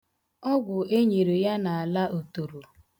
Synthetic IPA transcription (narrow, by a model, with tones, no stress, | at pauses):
ɔ˦ɡʷʊ˨ʔe˦ɲe˨ɾe˨ja˦na˨a˨la˦ʔo˨to˨ɾo˨